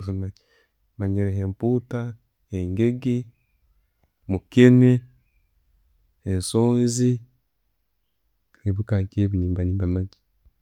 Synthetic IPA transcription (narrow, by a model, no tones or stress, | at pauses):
zumaɟi | maɲiɾeɦemputa | heŋɡeɡi | mukene | hensoːnzi | eβukaːkeβiniːmbaniːmbamaɟi̥